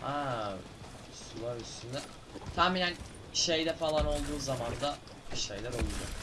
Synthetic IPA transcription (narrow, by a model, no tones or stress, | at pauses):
ha | sulˠaɾyst̪ʰynd̪ɛ | t̪ʰamminæn | ʃe̞jd̪ɛfalˠano̞lˠd̪uːzamand̪a | ʃe̞̰jlʲæɾo̞lˠud͡ʒo